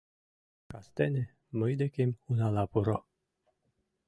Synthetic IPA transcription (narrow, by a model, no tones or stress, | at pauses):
kast̪ɛnʲe | məjd̪ekemunalapuɾo